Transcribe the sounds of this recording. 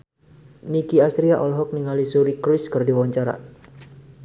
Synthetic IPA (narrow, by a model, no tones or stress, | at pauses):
nikiast̪ɾiaʔɔlɦɔk̚niŋalisuɾikɾiskərdiwaɲt͡ʃaɾa̰